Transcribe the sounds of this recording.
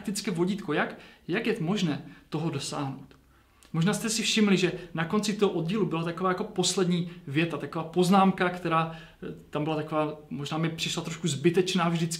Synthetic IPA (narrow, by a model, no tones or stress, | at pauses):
k̚t̪ɪt͡skɛːvo̞ɟiːt̪ko̞jakjakjɛt̪mo̞ʒnɛːt̪o̞ɦodo̞sa̰ːɦno̞̰wt̪ | mo̞ʒnaːst̪ɛsɪfʃɪmlɪʒɛnako̞nt͡sɪt̪oɦoʔo̞d̪ɟiːlubɪlat̪ako̞vaːjako̞po̞slɛdɲiːvjɛt̪at̪ako̞vaːpo̞znaːmkakt̪ɛɾaː | t̪ambɪlat̪ako̞vaːmo̞ʒnaːmɪpr̝̥ɪʃlat̪ɾoʃkuzbɪt̪ɛt͡ʃnaːvʒdɪt͡sk